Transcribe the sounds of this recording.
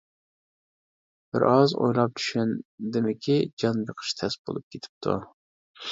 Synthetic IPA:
b̥ɪɾɑzo̰jlˠɑp̚t͡ʃ̪ʰy̥ʃɛnd̪ɪmɪkʲʰid͡ʒɑnbeqʰə̥ʃt̪ʰɛsbo̰lˠup̚kʲʰet̪ʰɪ̥p̚t̪ʰṵ

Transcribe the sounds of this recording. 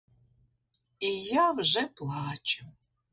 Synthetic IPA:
ijawʒɛplˠɑːt͡ʃʊ

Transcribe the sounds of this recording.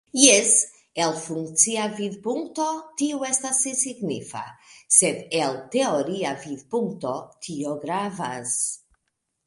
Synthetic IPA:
jes | elfuŋkt͡siavidpuŋkto̞tiue̞stasːisiɡnifa̰sed̪elte̞o̞ɾiavidpuŋk̚to̞tʰioɡɾavas

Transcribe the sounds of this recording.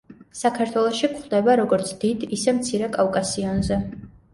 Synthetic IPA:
sakʰaɾt̪ʰwɛlˠɔʃikχd̪ɛbaɾɔɡɔɾt̪sʰd̪̥id̪isɛmt̪sʰiɾɛkʼavkʼasiɔnzɛ

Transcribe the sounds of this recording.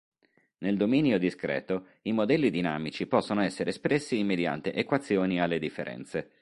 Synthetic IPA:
neld̪ominjod̪iskɾɛ̰ːt̪o | imod̪ɛlːid̪inaːmit͡ʃipɔsːonoɛsːeɾʔespɾɛsːimːed̪ja̰nt̪eʔekwat̪sːjoːnialːed̪ifːeɾʔɛ̰nt̪se

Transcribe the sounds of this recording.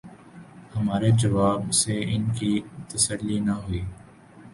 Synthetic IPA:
hɐmaːɾed͡ʒɐʋaːbseɪnkit̪əsəlːinaɦʊiː

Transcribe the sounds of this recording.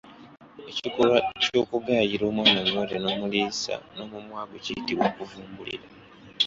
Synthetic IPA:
e̞cikoβaco̞ːkuɡaːjiɾo̞ːmwaːnaŋːoɾeno̞ːmuliːsa̰no̞ːmumwaːɡo̞cijitiβwoːkuvuːmbulḭɾa

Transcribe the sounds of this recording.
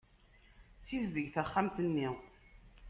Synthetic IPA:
sizðəʝθæχːamt̪ənːi

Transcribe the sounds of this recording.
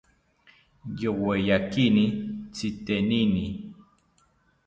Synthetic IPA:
jowejakinit͡sit̪enini

